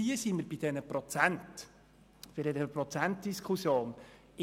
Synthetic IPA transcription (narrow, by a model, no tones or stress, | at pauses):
iəsiməɾbɪd̥ɛnəpɾɔt͡sænt | fɪɾdɛdɛəprɔt͡sæntd̥iskʰχusjoːn | ɪ